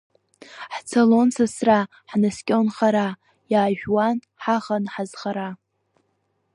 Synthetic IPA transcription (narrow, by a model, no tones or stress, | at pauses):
ħt͡sʰalo̞nsɨsra | ħnaskʲʼonχaɾa | jaːʒᶣwan | ħaʁanħazχaɾa